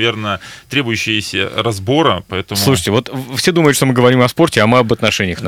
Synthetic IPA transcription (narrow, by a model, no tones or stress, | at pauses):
vʲernəət̪ɾʲe̞bʊjʉɕːɪəsʲə̰ɾɐzbo̞ɾəpɐɛt̪əmslˠuʂ̬ɨtʲɪvo̞t̪fsʲed̪uməjʊt̪ʂt̪o̞mɨɡəvɐɾʲimɐspo̞rtʲɪɐmɨɐbət̪nɐʂɛnʲɪjəx